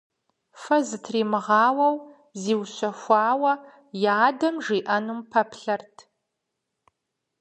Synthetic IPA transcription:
fɐzɨtʰriːmɨʁɑːwɐw | ziːwɕɐxʷɑːwɐ | jaːdɐmʐiːʔɐnumpʰɐpʰɬɐrtʰ

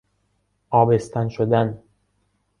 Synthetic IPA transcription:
ʔɒːbest̪ʰænʃod̪æn

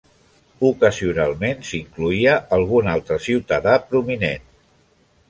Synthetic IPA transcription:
ukəziunalˠmensiŋkluiəʔəlˠɣ̞unalˠt̪ɾəsiwt̪əðapɾuminen

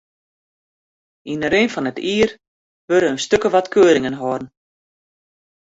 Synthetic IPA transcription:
inəɾenfɔnətʰiːər | ʋøɾəːnstøkəʋatkʰøːɾɪŋənɦɔrn̩

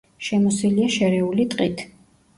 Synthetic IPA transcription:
ʃɛmɔsiliaʃɛɾɛulit̪ʼqʼit̪ʰ

